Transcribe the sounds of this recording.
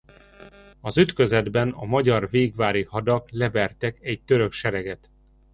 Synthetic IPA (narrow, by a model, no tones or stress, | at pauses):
ɒzyt̪køzɛd̪bɛnɒmɒɟɒrveːɡvaːɾihɒd̪ɒklɛbɛrt̪ɛkɛɟ̚t̪øɾøkʃɛɾɛɡɛt̪